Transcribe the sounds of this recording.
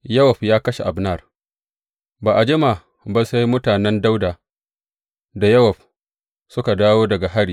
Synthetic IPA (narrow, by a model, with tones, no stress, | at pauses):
jɐ˦wɐ˨ɸjaː˦kɐ˦ʃe˨ʔa˨bnɐ˦˨r | baː˨ʔa˨d͡ʒɪ˦ma˨ | ba˦˨sa˦jmʊ˦taː˨nɛ˦nda˦wdaː˨ | da˨jɐ˦wɐ˨ɸ̚ | sʊ˦ka˨daː˦woː˦dɐ˨ɡa˨ɦa˦ɽiː˨